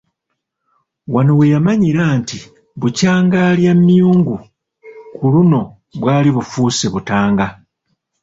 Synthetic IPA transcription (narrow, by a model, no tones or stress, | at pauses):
wanowe̞jamaɲiɾaːnti | βucaːŋɡaːljamːijuːŋɡu | kuluno̞ | βwaːliβufuːseβutaːŋɡa